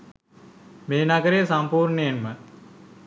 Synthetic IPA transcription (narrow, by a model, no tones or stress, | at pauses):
meːnaɡəɾejsampuːɾnejenmə